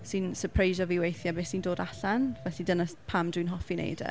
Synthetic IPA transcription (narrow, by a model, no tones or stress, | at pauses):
sɨnsəpʰrejʒɔviwejθjabeːsindoːdaɬanvɛɬidənaspʰamdwinɦɔfinḛjd̰